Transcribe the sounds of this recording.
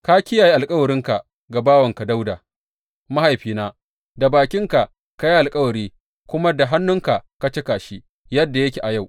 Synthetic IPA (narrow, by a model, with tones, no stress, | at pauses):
ka˦kʲɪ˦jaː˨ji˦ʔa˨lkʼɐ˦wɐ˨ɾɪ˦ŋka˨ | ɡa˨baː˦wɐ˨ŋka˨da˦wdaː˨ | ma˦ha˨jɸiː˦naː˦ | da˨baː˨kʲɪ˦ŋka˨ʔ | ka˦ji˦ʔa˨lkʼɐ˦wɐ˨ɾiː˦ | kʷʊ˦ma˦da˨ɦa˦nːʊ˦ŋka˨ʔka˦t͡ʃe˦kaː˨ʃi˦ | jɐ˦dːa˨jɐ˦kʲe˨ʔa˨ja˦w